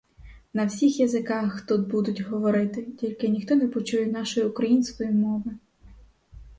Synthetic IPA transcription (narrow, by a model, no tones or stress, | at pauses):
nɐwsʲixjɐzɪkɑxt̪ud̪̚bud̪ʊtʲɦɔʋɔɾɪt̪ɪtʲilʲkɪnʲixt̪ɔnɛpɔt͡ʃujɛnɑʃɔjiʊkɾɐjinsʲkɔjimɔʋɪ